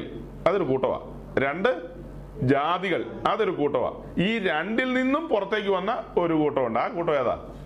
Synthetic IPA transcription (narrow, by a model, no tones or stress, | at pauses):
l | ɐðo̞ɾukuːʈːɐʋa̰ː | ɾe̞ɳɖɨ | d͡ʑaːðiɣɐɭɐðo̞ɾukuːʈːɐʋa̰ː | iːɾeɳɖilninːumpurɐt̪ːe̞ːk̬ʲːuʋɐnːɐo̞ɾukuːʈːɐʋuɳɖɨaːkuːʈːɐʋeɐða̰ː